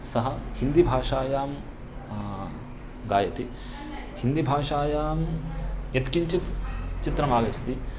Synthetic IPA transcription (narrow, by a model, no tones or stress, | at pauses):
sɐɦɐhind̪ibʱaːʂaːjaːm | ɡaːjɐt̪i | hind̪ibʱaːʂaːjaːmjet̪kiɲt͡ʃit̪t͡ʃit̪ɾɐmaːɡɐt͡ʃʰɐ̥t̪i